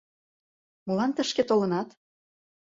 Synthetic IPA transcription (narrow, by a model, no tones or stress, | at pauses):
mɤlɑnt̪əʃket̪olɤ̆nɑt̪